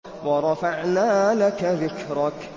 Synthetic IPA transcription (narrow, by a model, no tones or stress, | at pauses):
wɑɾˤɑfaʕnaːlakaðɪkɾɑk